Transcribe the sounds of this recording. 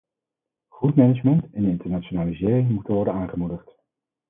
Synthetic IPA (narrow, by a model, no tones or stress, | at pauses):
χutmɛnəd͡ʒmɛntɛnɪntəɹnat͡ʃonaːlizɪːrɪŋmutənʋɔɹdənaːŋχəmudəχt